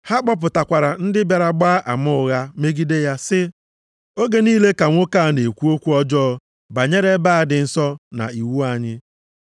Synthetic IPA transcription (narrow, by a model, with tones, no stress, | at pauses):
ha˦k͡pɔ˦p̬ʊ˨ta˨kʷa˨ɾa˨n̩˦dɪ˦ba˨ɾa˨ɡ͡ba˦ʔa˨mʊ˦ʊ˨ɣa˦me˦ɡi˦de˦ja˦sɪ˦ | o˦ɡe˦niː˦le˦ka˨ŋʷo˦ka˦˨ne˨kʷu˦o˦kʷu˦ɔ˦d͡ʒɔː˦ | ba˨ɲe˦ɾe˦ba˦a˨dɪ˨n̩˦sɔ˦na̰˨i˨wu˦a˨ɲɪ˦